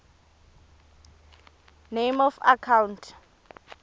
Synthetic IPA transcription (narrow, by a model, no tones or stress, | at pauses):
nejmɔfa̰kʰawntʰ